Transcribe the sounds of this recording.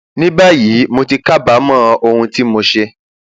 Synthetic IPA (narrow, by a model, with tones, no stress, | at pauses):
nĩ˦ba˦ji˨˦mo˧ti˧ka˦˨ba˨˦mãː˦˧ʔo˧hũ˧ti˦mo˧ʃe˧